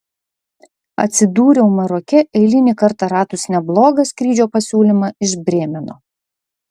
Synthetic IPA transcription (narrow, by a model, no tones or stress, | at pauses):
ɐ̰t̪ʲsʲɪd̪uːɾʲɛʊmɐɾɔkʲɛʔɛɪlʲɪnʲiːkɐɾt̪ɑɾɑːt̪ʊsnʲɛblˠoːɡɐsʲkɾʲiːd͡ʒʲoːpɐsʲuːlʲimɑɪʒbʲɾʲeːmʲɛnoː